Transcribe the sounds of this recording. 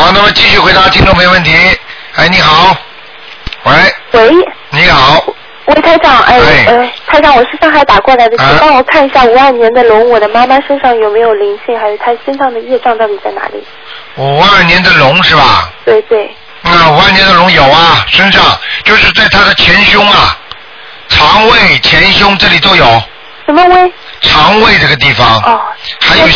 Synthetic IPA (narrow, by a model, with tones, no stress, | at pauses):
ɔ˥˧˩na˥˩mə˩t͡ɕi˥˧ɕy˥˩xwe˧˥ɪt̪a˧˥t͡ɕʰi˥nʈ͡ʂ̪o˥˧me˥˧əwə˥˩nt̪ʰi˧˥ | e˥˩ɪni˧˥xɑ˨˩˦ʊ | we˧˥ɪxwe˧˥ɪni˧˥xɑ˨˩˦ʊ | we˥˩ɪt̪ʰa˥ɪʈ͡ʂɑ˨˩˦ŋʔa̰˥˧ɪe˥˩ə˥˧˩t̪ʰa˥ɪʂɑ˥˩ŋwɔ˨˩ʂ̩˥˧ʂɑ˥˧ŋxa˧˥ɪt̪a˨˩kwɔ˥˩la˧˥ɪd̪ə˧˥ɑ˥ŋwɔ˨˩kʰa˥˩ni˧˥ɕja˥˩u˨˥a˥˩njɛ˧˥nd̪ə˧lʊ˧˥ŋwɔ˨˩d̪ə˦ma˥ma˨ʂə˥nʂɑ˥˩ŋjo˨˩ʊme˧˥ɪjo˨˩ʊli˧˥ŋɕi˥˩ŋxa˧˥ɪjo˨˩ʊt̪ʰa˥ɕɛ˥nʈ͡ʂʰɑ˧˥ŋd̪ə˨jɛ˥˧ʈ͡ʂɑ˥˧ŋt̪ɑ˥˩ʊi˨˩t͡sa˥˩ɪna̰˧˥lḭ˨˩˦ | u˨˩a˥˩njɛ˧˥nd̪ə˨lʊ˧˥ŋʂɻ̩˥˩bɐ̰˨˩t̪we˥˧ɪt̪we˥˩ɪ | na˥˩u˧˥a˥˩njɛ˧˥nd̪ə˧˨lʊ˧˥ŋjo˨˩ʊɐ˦ʂə˥nʂɑ˥˧ŋt͡ɕjo˥˧ʊʂɻ̩˥˧t͡sa˥˩ɪt̪ʰa˥d̪ə˨t͡ɕʰjɛ˧˥nɕjʊ˥ŋɐ˨ | ʈ͡ʂʰɑ˧˥ŋwe˥˩ɪt͡ɕʰjɛ˧˥nɕjʊ˥ŋʈ͡ʂɤ˥˩li˨˩t̪o˥˩ʊjo˨˩ʊ | ʂə˧˥nmə˧we˥˩ɪ | ʈ͡ʂʰɑ˧˥ŋwe˥˧ɪʈ͡ʂɤ˥˩ɡə˩t̪i˥˩fɑ˩ŋɔ˥˧˩t̪ʰa˥jo˥˨˩